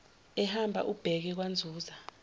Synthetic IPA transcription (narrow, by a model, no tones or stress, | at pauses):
ɛhambʱa̰ʔub̥ʱɛk̬ɛk̬wand͡zʱuːza